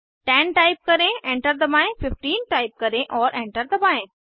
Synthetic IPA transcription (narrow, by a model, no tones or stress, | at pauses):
ʈɛ̃nʈaːɪp̚kɐɾẽẽɳʈəɾd̪əmaːẽfɪfʈiːnʈaːɪp̚kɐɾẽʔɔːɾʔẽɳʈəɾd̪əbaẽ